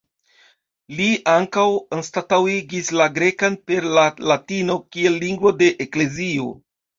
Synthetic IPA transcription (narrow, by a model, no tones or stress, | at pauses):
liʔaŋkawonstatawiɡislaɡɾe̞kanpe̞ɾlalatino̞kie̞lːiŋɡvo̞de̞ʔekle̞zio̞̰